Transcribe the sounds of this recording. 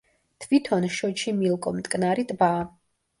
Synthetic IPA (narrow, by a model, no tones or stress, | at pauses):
t̪ʰvit̪ʰɔnʃɔt͡ʃʰimilˠkʼɔmt̪ʼkʼnaɾit̪ʼbaː